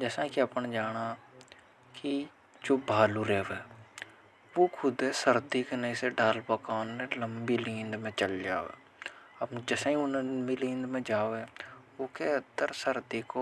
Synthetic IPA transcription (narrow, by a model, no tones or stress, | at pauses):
d͡ʒɛːsãikiɐpnd͡ʒaːɽ̃a | ki | d͡ʒoːbʱaːluɾeːʋɦɛː | ʋokʰʊd̪ɦɛsəɾd̪ikenɐĩseɖaːlpəkaːnmẽləmbilĩːnd̪mẽt͡ʃəld͡ʒa̰ːʋḛː | ɐbd͡ʒɛːsãĩʊnbilĩːnd̪mẽd͡ʒaːʋe | okeɐnd̪əɾsəɾd̪iko